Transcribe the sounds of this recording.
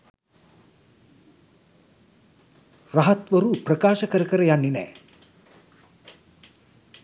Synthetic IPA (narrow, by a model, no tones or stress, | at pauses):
raɦat̪ʋəɾuprəkaːʃəkəɾəkəɾəjanːinæ̰ː